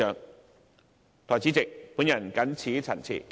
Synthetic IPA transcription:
œː˨ŋ | t̪ʰɔː˨˩t͡siː˨˥t͡sɪ˨k̚puː˨˥njɐ˨˩nkɐ˨˥nt͡sʰiː˨˥t͡sʰɐ˨˩nt͡sʰḭ˨˩

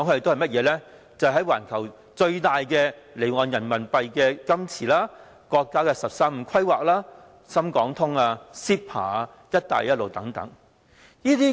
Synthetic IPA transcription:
ɔ˨˥ŋkʰːe˨to˥ɐ˨jmɐ˥t̚jɛː˨˧lɛ˥ | t͡sɐ˨ɦɐ˨˥jwa̰ː˨˩nkʰɐ˨˩w | t͡sɵ˧ɥt̪aː˨jkɛː˧ | le˨˩jŋɔː˨njɐ˨˩nmɐ˨˩npɐ˨jkɛː˧kɐ˥mt͡sʰiː˨˩laː˥ | kɔː˧kːaː˥kɛː˧sɐ˨p̚saː˥m̩ː˧kʰɐ˥jwaː˨k̚laː˥ | sɐ˥mkɔː˨˥ŋt̪ʰʊ˥ŋaː˧siː˥p̚pʰa̰ː˨˩ | jɐ˥t̚t̪a̰ː˨jɐ˥t̚lo˨wt̪ɐ˨˥ŋt̪ɐ̰˨˥ŋ | jiː˥t̪iː˥

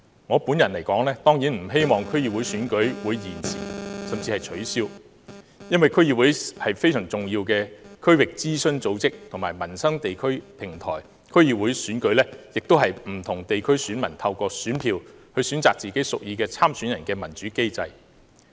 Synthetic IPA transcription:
ŋɔː˨˧puː˨˥njɐ˨˩nlɐ˨˩jkɔː˨˥ŋlɛː˥t̪ɔː˥ŋjiː˨˥nm̩˨˩ɦe˥jmɔː˨ŋkʰɵ˥ɥjiː˨wu˨˥jsyː˨˥nkɵ˨˥ɥwuː˨˧jjiː˨˩nsʰḭː˨˩sɐ˨mt͡siː˧hɐ˨jt͡ʃʰɵ˨˥ɥsiː˥w | jɐ˥nwɐ˨jkʰɵ˥jiː˨wuː˨˥jhɐ˨jfe˥jsœː˨˩ŋt͡sʊ˨ŋjiː˧wkɛː˧kʰɵ˥ɥwɪ˨k̚t͡siː˥sɵ˥nt͡so˨˥wt͡sɪ˥k̚t̪ʰʊ˨˩maː˨˩jmɐ˨˩nsɐ˥ŋt̪e˨jkʰɵ˥ɥpʰɪ˨˩ŋt̪ʰɔ̰ː˨˩j | kʰɵ˥ɥjiː˨˩wuː˨˥jsyː˨˥nkɵ˨˥ɥlɛː˥jɪ˨k̚t̪o˥wɦɐ˨jm̩˨˩t̪ʰʊ˨˩ŋt̪e˨jkʰɵ˥ɥsyː˨˥nmɐ˨˩nt̪ʰɐ˧wkɔː˧syː˨˥npʰiː˧whɵ˨˧ɥsyː˨˥nt͡saː˨k̚t͡siː˨ke˨˥jsʊ˨k̚jiː˨˧kɛː˧t͡sʰaː˥msyː˨˥njɐ˨nkɛː˧mɐ˨˩nt͡ʃyː˨˥ke˥jt͡sɐ˧j

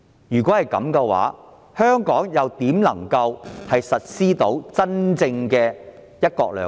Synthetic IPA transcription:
jyː˨kʷɔː˨˥hɐ˨jkɐ̰˨˥mkɛ˧wa̰ː˨˥ | hœː˥ŋkɔː˨˥ŋjɐ˨wt̪iː˨˥mlɐ̰˨˩ŋkɐ˧whɐ˨jsɐ˨t̚siː˥t̪o˨˥wt͡sɐ˥nt͡sɪ˧ŋkɛː˧ | jɐ˥t̚kɔ̰ː˧k̚lœ̰ː˨˩

